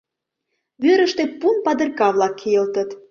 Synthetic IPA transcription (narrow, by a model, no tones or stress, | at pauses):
βøɾə̆ʃt̪ĕpunpɑd̪ɤ̆rkɑβlɑkʰːejə̆lt̪ə̆t̪